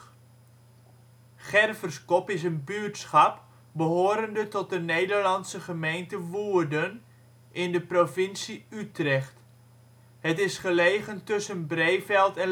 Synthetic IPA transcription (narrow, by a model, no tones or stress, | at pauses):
χɛrvərskɔpɪs̬ənbytsχɑp | bəɦoːɾəndətɔt̚dənejdərlɑnsəχəmejntəʋuːərdən | ʔɪndəprovɪnsiytrɛχt | ɦətɪsχəlejχəntɵsənbrejfɛlˠtɛn